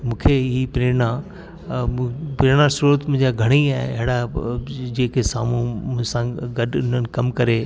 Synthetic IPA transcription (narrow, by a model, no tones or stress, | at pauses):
mũːkʰeɦipɾeːnã | pɾeːnasuɾət̪mʊ̃ɦɪ̃d͡ʑaɡʱɐɽ̃iaːɦḛɐɦɪɽa | d͡ʑeːkʰesa̰ːm̤ũmʊ̃sãɡɐɗʊn̤ənɪ̆kɐmkɐɾeː